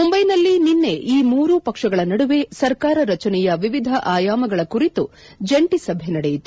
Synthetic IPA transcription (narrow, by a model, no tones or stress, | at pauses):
mumbɐjnɐlːininːe̞ʔiːmuːɾupɐkʂɐɡɐɭɐnɐɽuʋe̞sɐɾkaːɾɐɾɐt͡ʃɐnɛjɐʋiʋid̪ʱɐʔaːjaːmɐɡɐɭɐkuɾit̪ud͡ʒeɳʈisɐbʱenɐɽejit̪u